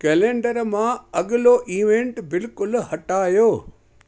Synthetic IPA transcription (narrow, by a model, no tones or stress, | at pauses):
keːlẽːɳɖəɾmãɐɠɪloʔiːʋẽɳʈbɪlkʊlhɐʈaːjoː